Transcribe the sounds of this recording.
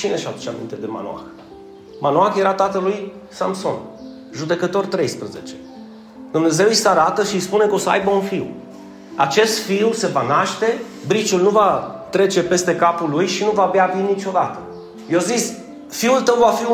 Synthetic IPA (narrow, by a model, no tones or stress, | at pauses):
t͡ʃineʃad̪ut͡ʃa̰mḭnt̪e̞d̪e̞ma̰no̰a̰x | manoaxje̞ɾat̪at̪əluj | samso̞̰n | ʒud̪e̞kət̪o̞rt̪ɾe̞jspɾəze̞̰t͡ʃe̞̥ | d̪umne̞ze̞wjisaɾat̪əʃijspune̞kəo̞səa̰jbəunfiw | a̰t͡ʃe̞st̪fiwse̞vanaʃt̪e̞ | bɾit͡ʃulnuvat̪ɾe̞t͡ʃe̞pe̞st̪e̞kapulujʃinuvaːbeavinit͡ʃo̞d̪at̪ə | jewzis | fiult̪əwvafi